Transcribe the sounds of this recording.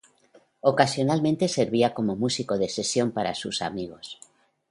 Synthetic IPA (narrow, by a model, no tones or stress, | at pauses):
o̞kasjo̞nalmẽ̞nt̪e̞se̞ɾβiako̞mo̞musiko̞ð̞e̞se̞sjo̞mpaɾa̰susa̰miɣ̞o̞s